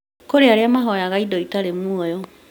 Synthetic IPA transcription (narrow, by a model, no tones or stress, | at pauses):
koɾeaɾeamaɦɔjaɣaidɔitaɾemwɔjɔ